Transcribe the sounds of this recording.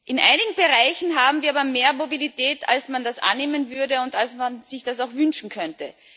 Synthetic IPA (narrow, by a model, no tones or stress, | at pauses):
ʔɪnʔa̰ɪnɪɡŋ̩bəʁaɪçn̩ɦaːbm̩viːɐaːbɐmeːɐmobilitʰɛːta̰lsmandasʔa̰nːeːmənvʏɐdəʊntalsmanz̥ɪçd̥asaʊxvʏnʃn̩kʰœntə